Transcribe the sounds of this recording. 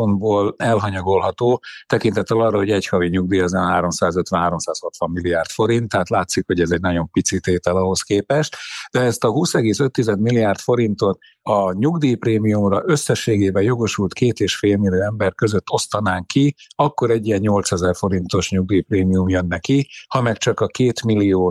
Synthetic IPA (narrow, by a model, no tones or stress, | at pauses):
onboːlɛlɦɒɲɒɡo̞lɦɒt̪oːt̪ɛkint̪ɛt̪ːɛlɒrːɒɦo̞ɟɛchɒviɲuɡ̚d̪iːɒzɛnɦaːɾo̞msaːzøt̪vɛnɦaːɾo̞msaːshot̪ʋɒmːilːijaːrt̪fo̞ɾint̪ːɛɦaːt̪laːt̪sikho̞ɟɛzɛɟnɒɟo̞mpit̪sit̪eːt̪ɛlɒɦo̞skeːpɛʃt̪d̪̥ɛɛst̪ɒɦuːsɛɡeːsøt̪ːizɛd̪milːijaːrt̪fo̞ɾint̪o̞t̪ | ɒɲuɡd̪iːpreːmijumrɒʔø̞sːɛʃːeːɡeːbɛjo̞ɡo̞ʃult̪keːt̪eːʃfeːlmilːijoːɛmbɛrkø̞zøt̪ːo̞st̪ɒnaːŋkiɒkːo̞ɾɛɟːijɛnɲo̞lt̪sɛzɛrfo̞ɾint̪o̞ʃɲuɡ̚d̪iːpreːmiumjønːɛkihɒmɛkt͡ʃɒkɒkeːt̪milːioː